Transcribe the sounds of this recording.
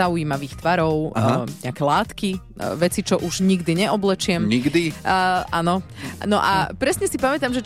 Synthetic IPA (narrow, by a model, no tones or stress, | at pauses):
aujiːmaʋiːxt̪ʋaɾɔʊɲɛakɛlaːt̪ki | ʋɛt͡sit͡ʃɔʔuʒɲiɡd̪iɲɛʔɔblɛt͡ʃɪɛmɲiɡd̪ianɔnɔ̰ʔapɾɛsɲɛsipamɛt̪amʒɛ